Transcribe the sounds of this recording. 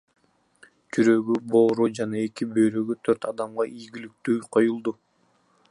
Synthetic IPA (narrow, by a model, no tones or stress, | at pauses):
d͡ʒyɾø̞ɡybo̞ːɾud͡ʒɑnɑe̞kibø̞jɾøɡyt̪ʰøɾt̪ɑd̪ɑmʁɑʔijɡʲilyk̚t̪yːqʰo̞julˠd̪u